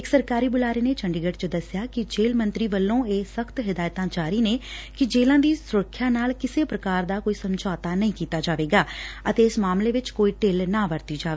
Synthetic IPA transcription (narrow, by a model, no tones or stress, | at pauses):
ɪksəɾkaːɾiːbʊlaːɾeːneːt͡ʃəɳɖiɡəʈt͡ʃəd̪əsɪjaːkɪd͡ʒeːlmə̃nt̪ɾiːʋəlːõːeːsəkʰt̪ɦɪd̪aːjt̪ãːt͡ʃaːɾiːneːkɪd͡ʒeːlãːd̪iːsʊɾəkʰːjaːnaːlkɪseːpɾəkaːɾd̪aːkoːiːsəmd͡ʒaːt̪aːnəĩːkiːt̪aːd͡ʒaːʋeːɡaːət̪eːɪsmaːmleːʋɪt͡ʃkoːiːʈelnaːʋəɾt̪iːd͡ʒaːʋeː